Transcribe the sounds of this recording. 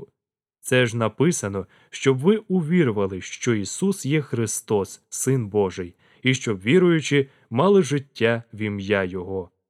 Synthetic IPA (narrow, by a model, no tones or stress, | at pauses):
t̪sɛʒnɐpɪsɐnɔ | ʃt͡ʃɔbʋɪʊʋʲiɾʊʋɐlˠɪʃt͡ʃɔisusjɛxɾɪst̪ɔsːɪnbɔʒɪj | iʃt͡ʃɔbʋʲiɾʊjʊt͡ʃɪ | mɑlˠɪʒɪtʲːaʋʲimjajɔɦɔ